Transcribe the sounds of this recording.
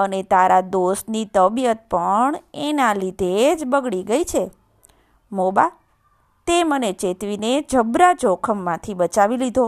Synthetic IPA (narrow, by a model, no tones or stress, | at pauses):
ənet̪aɾad̪osnit̪əbijət̪̚pəɳenalid̪ʱed͡ʒbəɡɭiɡəit͡ʃʰe | moba | t̪emənet͡ʃet̪ʋined͡ʒʱəbɾat͡ʃokʰəmːãt̪ʰiɓət͡ʃaʋilid̪ʱo